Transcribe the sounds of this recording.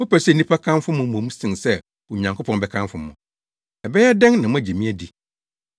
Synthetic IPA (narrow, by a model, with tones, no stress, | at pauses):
mʊ˦pæ˨sɛ˦˨nĩ˦pʰa˦kʰã˦n˦fʊ˦mʊ̃˨˦mõ˨mũ˦sɪ̃˨ŋsɛ˦ | wʊ˨ɲã˨ŋkʰo˦pʰɔ̃˨nbɛ˦kʰã˦nfʊ˦mʊ̃˨ | ɛ˨bɛ˦jɛ˦dɛ̃˦ŋnã˨mʊ̃˦æ˨d͡ʑe˨mĩ˦æ˦di˨